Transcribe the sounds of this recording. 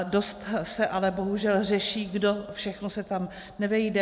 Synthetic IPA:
do̞st̪sɛʔalɛbo̞ɦuʒɛlr̝ɛʃiːɡdo̞fʃɛxnosɛt̪am | nɛvɛjdɛ

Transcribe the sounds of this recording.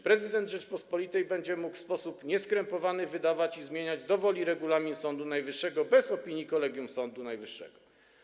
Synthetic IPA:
pɾɛzɘd̪ɛnd̪ʐɛt͡ʂpɔspɔlʲit̪ɛjbɛɲd͡ʑɛmukfspɔsupɲɛskɾɛmpɔvanɘvɘd̪avat͡ɕizmʲjeɲad͡ʑd̪ɔvɔlʲiɾɛɡulamʲinsɔnd̪unajvɘʂːɛɡɔbɛzɔpʲiɲikɔlɛɡʲjumsɔnd̪unajvɘʂːɛ̰ɡɔ

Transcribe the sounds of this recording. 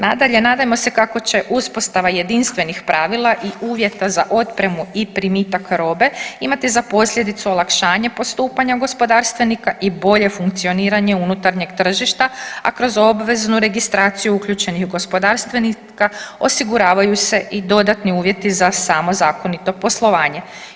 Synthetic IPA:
nad̪aʎe̞naːd̪ajemo̞se̞kako̞t͡ɕe̞ʔuspo̞st̪aʋaje̞d̪inst̪ʋe̞nixpɾaʋilˠaʔiʔuːʋje̞t̪azaʔo̞t̪pɾe̞muipɾimiːt̪akɾo̞ːbe̞imat̪izapo̞sʎʲje̞d̪it̪suo̞lˠakʃaːɲepo̞st̪uːpaɲaɡo̞spo̞d̪aːɾst̪ʋe̞nikaʔibo̞ʎe̞fuŋkt̪sio̞niːɾaɲe̞unut̪aɾɲe̞ɡt̪r̩ʒiʃt̪aa̰kɾo̞zo̞bʋe̞znuɾe̞ɡist̪ɾaːt̪sijuukʎut͡ʃe̞nixɡo̞spo̞d̪aɾst̪ʋeni | kaosiɡuɾaːʋajuse̞ʔid̪o̞d̪at̪niuːʋje̞t̪izasamo̞zaːko̞nit̪o̞po̞slˠo̞ʋaːɲe̞

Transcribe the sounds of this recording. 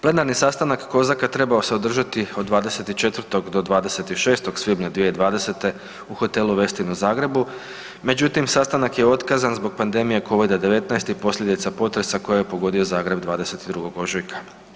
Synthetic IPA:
ple̞naɾnisast̪anakːo̞zakat̪ɾe̞bao̞se̞o̞d̪r̩ʒat̪io̞d̪ːʋaːd̪e̞se̞t̪it͡ʃe̞t̪ʋər̩t̪o̞ɡd̪o̞d̪ʋaːd̪e̞se̞t̪iʃe̞ːst̪o̞ɡ̥sʋibɲad̪ʋijeid̪ʋaːd̪e̞se̞t̪e̞ | uxo̞t̪e̞luʋe̞st̪inuzaːɡɾe̞bu | me̞d͡ʑut̪imsast̪anakje̞o̞t̪kaːzanzbo̞ɡ̚pand̪e̞mije̞ko̞ʋid̪ad̪e̞ʋe̞t̪najst̪ipo̞slʎʲe̞d̪it̪sapo̞t̪ɾe̞sakojajepo̞ɡo̞d̪io̞zaːɡɾe̞bd̪ʋaːd̪e̞se̞t̪id̪ɾuɡo̞ɡo̞ʒujkʰḁ

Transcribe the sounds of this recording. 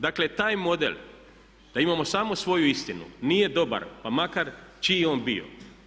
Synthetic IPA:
d̪akle̞t̪aːjmo̞d̪ḛl | d̪̥aimamo̞saːmo̞sʋo̞juist̪inṵnije̞d̪o̞ba̰ɾpamakaɾt͡ʃijeoːnbio̞̰

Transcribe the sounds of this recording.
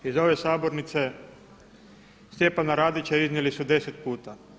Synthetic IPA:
izo̞ʋesaːboɾnit̪se | st̪jepanaɾaːd̪it͡ɕaiznilisud̪e̞set̪̚puːt̪a

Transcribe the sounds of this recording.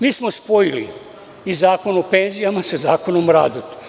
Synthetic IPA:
miːsmospojilḭ | izaːko̞nope̞nzijamasazaːko̞nomɾa̰ːd̪ut̪

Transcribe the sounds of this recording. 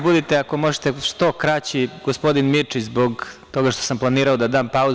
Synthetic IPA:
bud̪it̪eako̞mo̞ʒet̪eʃt̪o̞kɾat͡ɕiɡospo̞d̪inmit͡ʂizbo̞ɡt̪o̞ɡaʃt̪o̞samplˠaniːɾaod̪ad̪aːmpau

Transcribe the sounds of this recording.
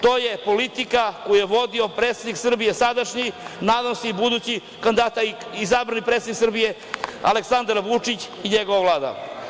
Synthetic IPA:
t̪o̞ːjepo̞lit̪ikakojujeʋo̞d̪io̞pɾet̪sed̪iksr̩bije̞sad̪aʃɲinaːd̪amseibud̪uːt͡ɕi | kand̪at̪aizabɾanipɾet̪sed̪niksr̩bije̞ | a̰leksand̪aɾʋut͡ʂit͡ɕ | iɲeɡoʋaʋlˠaːd̪a̰

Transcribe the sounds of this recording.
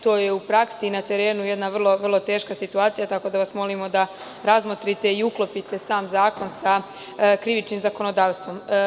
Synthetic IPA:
t̪o̞ːje̞upɾaksinat̪e̞ɾe̞ːnuje̞d̪naʋrlˠo̞ʋr̩lˠo̞t̪e̞ːʃkasit̪uaːt̪sijat̪ako̞d̪aʋasmo̞limo̞d̪a | ɾazmot̪ɾit̪e̞iuklo̞pit̪e̞saːmzaːko̞nsa | kɾiʋit͡ʃnimzako̞no̞d̪aːʋst̪ʋo̞m

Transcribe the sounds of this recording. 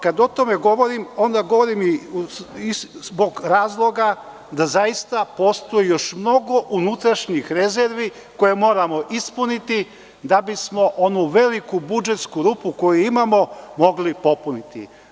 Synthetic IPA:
kad̪o̞t̪o̞me̞ɡo̞ʋo̞ɾimo̞nd̪aɡo̞ʋo̞ɾimi | izbo̞ɡɾaːzlˠo̞ɡa | d̪azajist̪apo̞ːst̪ojejo̞ʃmno̞ɡo̞ʔunut̪ɾaʃɲixɾe̞zeɾʋi | ko̞jemo̞ːɾamo̞ʔispunit̪i | d̪abismo̞ʔo̞nuʋe̞likubud͡ʒe̞t̪skuɾupuko̞juimamo̞mo̞ɡlipo̞punit̪ḭ

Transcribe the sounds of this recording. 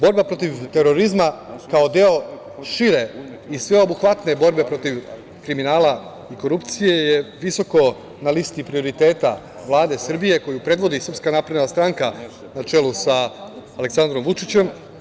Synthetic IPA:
bo̞ɾbapɾo̞t̪iʋt̪e̞ɾo̞ɾizmakao̞d̪e̞o̞ | ʃiɾe̞isʋe̞o̞buxʋat̪ne̞bo̞ɾbe̞pɾo̞t̪iʋ | kɾiminaːla | iko̞ɾupt̪sije̞je̞ʋiso̞ko̞ | nalist̪ipɾio̞ɾit̪e̞ːt̪a | ʋlˠaːd̪e̞sr̩bije̞ko̞jupɾe̞d̪ʋo̞d̪isɾr̩pskanapɾed̪nast̪ɾaŋka | nat͡ʃe̞lusaːle̞ksand̪ɾo̞mʋut͡ʂit͡ɕe̞m

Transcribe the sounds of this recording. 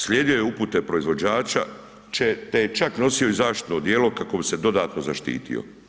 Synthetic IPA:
slʲjeːd̪ijo̞jeuput̪epɾo̞izʋo̞d͡ʑaːt͡ʃa̰ | t͡ʃet̪ejet͡ʃakno̞sioizaːʃt̪i̥t̪nod̪jeːlo̞kako̞bise̞d̪o̞d̪aːt̪no̞zaʃt̪ḭːt̪ḭo̰

